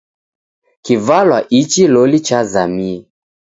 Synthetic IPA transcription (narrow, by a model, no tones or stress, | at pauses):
kivalwaʔit͡ʃilɔlit͡ʃazami